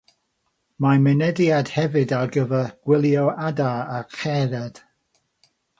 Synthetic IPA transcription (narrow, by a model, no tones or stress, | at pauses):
mamɛnɛdjad̥hɛvɨdaɡəvəɡ̥wɪlˠjɔadaaχɛɾɛd̥